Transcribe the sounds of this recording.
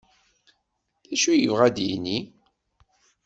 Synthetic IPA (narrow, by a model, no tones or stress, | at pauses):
læʃujəvʁæd̪jini